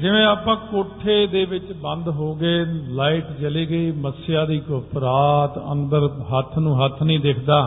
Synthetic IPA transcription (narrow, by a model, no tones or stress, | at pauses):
d͡ʒɪʋẽːaːpãːkoːʈʰːeːd̪eːʋɪt͡ʃbə̃nd̪ɦoːɡeːlaːɪːʈt͡ʃəliːɡəiːməsɪjaːd̪iːkʊpɾaːt̪ə̰̃nd̪əɾɦət̪ʰːnũːɦət̪ʰnəĩːd̪ekʰd̪aː